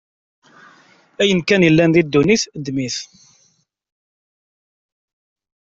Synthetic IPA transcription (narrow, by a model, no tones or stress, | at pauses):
æjənkænjəlːænðid̪ːuniθd̪miθ